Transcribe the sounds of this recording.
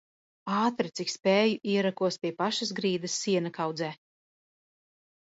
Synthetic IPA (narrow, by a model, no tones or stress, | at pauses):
aːt̪ɾat̪sikspɛːjuʔiɛɾakuɔspʲiɛpaʃas̬ɡɾiːd̪ɐsːiɛnakawd̪zɛː